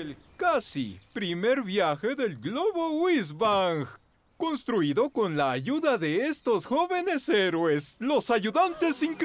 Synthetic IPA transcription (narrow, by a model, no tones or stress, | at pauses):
elkasḭpɾime̞ɾβjaxe̞ðe̞lɡloβo̞wiz̬βaŋx | ko̞nst̪ɾuiðo̞ko̞nlaːʝuðaðe̞est̪o̞sxo̞βe̞ne̞seɾweslo̞saʝuðant̪e̞siŋk